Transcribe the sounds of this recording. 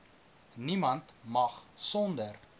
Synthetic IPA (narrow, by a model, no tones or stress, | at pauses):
nimɐntmɐχsɔndər